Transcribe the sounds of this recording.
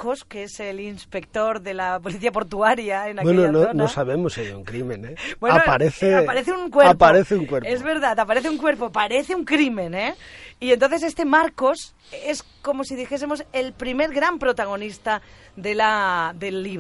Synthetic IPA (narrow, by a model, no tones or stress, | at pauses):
koskeeselinspe̞k̚t̪o̞ɾðe̞lapo̞liθiapo̞ɾt̪uaɾjaenakwenononosaβemoseuŋkɾimẽnebweanopaɾeθeapaɾeθeuŋkweapaɾeθeuŋkweɾezβe̞ɾðat̪apaɾeθeuŋkwe̞ɾpopaɾeθeuŋkɾimẽneient̪o̞nθe̞se̞st̪e̞maɾko̞s | es | ko̞mo̞siðixes̬emo̞se̞lpɾime̞ɾɣɾampɾot̪aɣ̞o̞nist̪a | ðe̞laðe̞lːiβ